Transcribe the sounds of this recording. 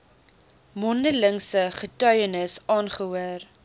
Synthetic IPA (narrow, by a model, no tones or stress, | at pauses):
mɔndələŋsəχətœɥənəsɑːnχəɦuər